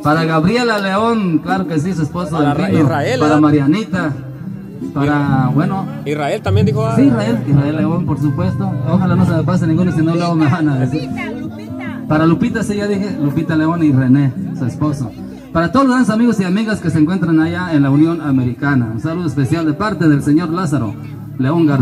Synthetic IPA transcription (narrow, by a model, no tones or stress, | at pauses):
paɾaɣaβɾjelaleoŋklaɾokes̬is̬uesposoelt̪ind̪opaɾamaɾjanit̪a | paɾabweno | iaelsiraeliraelːeompoɾs̬upwest̪ooɣalanos̬emepas̬enĩŋɡunsinolaomeβanaðesiɾ | paɾalupit̪asiʝaðixelupit̪aleonirenesuesposo | paɾat̪oðolzanosamiɣosiamiɣaskeseŋkwent̪ɾanaʝaenlaunjonameɾikanaunsaluðoespesjald̪epaɾt̪eðelseɲoɾlasaɾo̰ | leoŋɡaɾ